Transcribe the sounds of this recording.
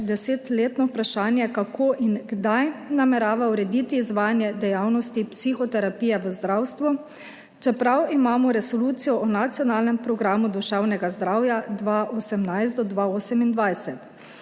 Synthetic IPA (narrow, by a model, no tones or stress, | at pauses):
d̪ɛseːt̪leːt̪nɔupɾaʃaːnjɛkakʰoːʔinɡd̪ajnamɛɾaːʋauɾɛd̪iːt̪iːzʋaːjanjɛd̪ɛjawnɔst̪ipsixɔt̪ɛɾapiːjɛʋəzd̪ɾawst̪ʋu | t͡ʃɛpɾawimaːmɔɾɛsɔluːt̪sijɔʔɔnat̪sijɔnaːlnɛmpɾɔɡɾaːmud̪ɔʒaːwnɛɡazd̪ɾawjad̪ʋaʔosɛmnajst̪d̪ɔd̪ʋaoːsɛmind̪ʋajsɛt̪